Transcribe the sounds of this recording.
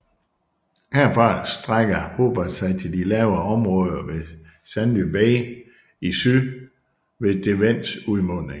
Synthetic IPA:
heɐ̰fɑ̈sd̥ʁaɡ̥ɐho̝ːb̥ɐd̥sɑ̈ɪt͡sʰe̝ld̥ilɛʊɐɒ̽mʁɔ̽ːð̞ˠɐʋe̝ | sænlyb̥ɛː | isy | ʋe̝d̥e̝ʋen̰suðˠmɔneŋ

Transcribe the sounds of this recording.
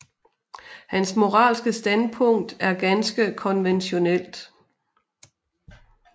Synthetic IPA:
hænsmo̝ʁɑ̰̈ːlsɡ̥əsd̥ænpʰɔ̽ŋ̰d̥æɐɡ̥ænsɡ̥əkʰɒ̽nʋenɕo̝nel̰d̥

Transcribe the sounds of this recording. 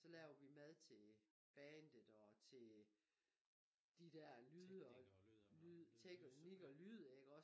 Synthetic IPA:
sɒ̽lɛːʊɐʋimæð̞ˠt͡sʰe̝ | b̥ɛːnd̥ð̩ˠɒ̽t͡sʰe̝ | d̥id̥æɐ̰lyːðˠəɒ | t͡sʰeɡ̥ɒniɡ̥ɒ̽lyðˠeɡ̥ɒ̽

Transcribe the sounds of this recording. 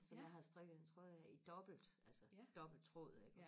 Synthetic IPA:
sɒ̽mjɑ̈ɦɑ̈sd̥ʁeɡ̥əð̩ˠent͡sʰʁɔðˠjid̥ɒ̽b̥l̩d̥ælsəd̥ɒ̽b̥l̩d̥̚t͡sʰʁɔ̰ðˠeɡ̥ɒ

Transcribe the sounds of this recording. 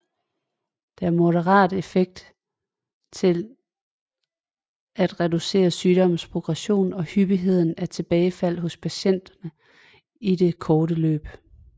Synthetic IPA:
d̥eæɐmo̝ɾəʁɑ̰̈ːd̥e̝feɡ̥̚d̥ | t͡sʰe̝l | æd̥ʁɛd̥use̝̰ːɐsyːd̥ɒ̽m̰spʰʁoɡ̥ʁɛɕo̝̰ːnɒ̽hyb̥iɦe̝ð̞̰ˠn̩æɐt͡sʰe̝b̥ɛːɪfæl̰ɦɔ̽spʰæɕen̰d̥ɐnə | ide̝kʰɒːɾəlø̰ːb̥

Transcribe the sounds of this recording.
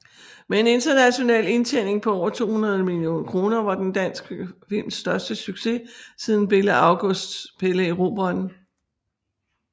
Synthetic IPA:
mee̝ne̝nd̥ɐnæɕo̝nɛ̰ːle̝nt͡sʰen̰e̝ŋpʰɒ̽ɒʊ̰ɐt͡sʰo̝̰ːhunɐð̞ˠəmilio̝̰ːnkʰʁo̝ːnɐʋɑ̈d̥end̥æn̰sɡ̥əfil̰msd̥ɶɐsd̥əsyɡ̥se̝sið̞ˠn̩b̥e̝ləɑ̈ʊɡ̥ɔsd̥spʰeləiʁo̝ːb̥ɒnn̩

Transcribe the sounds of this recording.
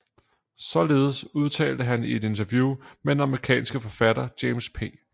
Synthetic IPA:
sɒ̽le̝ːð̞̩ˠəsuð̞ˠt͡sʰɛ̰ːld̥əɦænie̝d̥e̝nt͡sʰɐʋjuːmed̥enɑ̈məʁikʰɛ̰ːnsɡ̥əfɒ̽fæd̥ɐd̥jeɪmspʰe̝̰ː

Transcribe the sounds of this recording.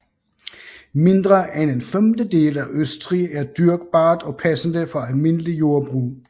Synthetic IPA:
me̝nd̥ʁɐʔend̥enfemd̥əd̥e̝̰ːlæʔøsd̥ʁiæɐd̥yɐɡ̥̚b̥ɑ̈ːd̥ɒ̽pʰæsn̩d̥əfɒ̽ælme̝n̰əlijo̝ɐb̥ʁṵː

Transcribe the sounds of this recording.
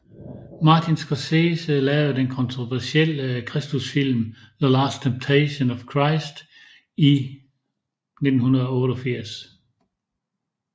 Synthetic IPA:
mɑ̈t͡sʰinsɡ̥ʰɒseːsəlɛːʊð̩ˠd̥enkʰɔ̽nt͡sʰʁoʋæɐsel̰əkʰʁɛsd̥usfil̰m | ðəlɑːstʰemb̥̚t͡sʰeɪɕonɒfkʰʁɑɪsd̥ | i | ne̝d̥n̩hunɐð̞̩ˠɒɔ̽ːɾɒfiɐ̰s

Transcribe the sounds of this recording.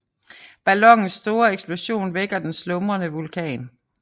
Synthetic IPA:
b̥ælɒ̽ŋn̩sːd̥o̝ːɐeɡ̥sb̥lo̝ɕo̝̰ːnʋeɡ̥ɐd̥enslɔ̽mʁɐnəʋulkʰɛ̰ːn

